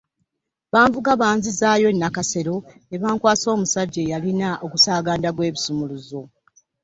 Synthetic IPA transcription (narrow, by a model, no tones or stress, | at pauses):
βaːɱvuɡaβaːnzizaːjo̞nːakase̞ɾo̞ | eβaːŋkwaːso̞ːmusaɟːe̞jalinaʔo̞ɡusaːɡaːndaɡwe̞ːβisumuluzo̞